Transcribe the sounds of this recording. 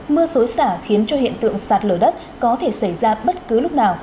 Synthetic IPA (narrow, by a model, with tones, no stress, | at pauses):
mɨ˧əso˨˦jsaː˧˩xi˨˦ənt͡ɕɔ˧hḭ˧˨ənt̪ɨ̰˧˨əŋsaː˨˩t̚ləː˧˩ɗə˦˥t̚kɔ˨˦t̪ʰe˧˩sa˧˩jzaː˧ɓə˦˥t̚kɨ˨˦lʊ˦˥k͡p̚naː˨˩w